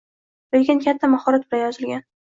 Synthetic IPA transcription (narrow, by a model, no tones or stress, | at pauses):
lekʲɪnkʲat̪ʰːamahɒɾat̪̚bɪlajɒzɪlɡʲan